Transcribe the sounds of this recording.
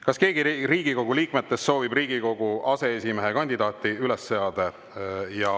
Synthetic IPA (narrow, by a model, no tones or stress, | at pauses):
kɑske̞ːɡ̥iɾiːɡiko̞ɡ̥uliːkmet̪ːˑe̞st̪ːso̞ːvibriːɡ̥iko̞ɡ̥uʔɑse̞esimeɦekɑnʲd̪id̪̥ɑːt̪ːˑiylesːeɑd̪̥e | jɑ